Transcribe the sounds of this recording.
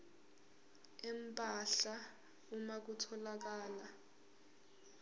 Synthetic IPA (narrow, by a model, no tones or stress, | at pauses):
ɛm̩pʼaɬa | umak̬utʰɔlak̬aːla